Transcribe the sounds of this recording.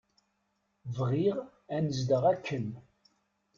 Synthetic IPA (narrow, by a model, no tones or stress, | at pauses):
vʁiʁ | ænəzd̪əʁækʰːən